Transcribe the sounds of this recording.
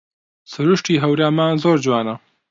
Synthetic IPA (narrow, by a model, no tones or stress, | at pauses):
sɐɾuʂʈiɦɐwɾjaːmaːzoːɾd͡ʒwaːna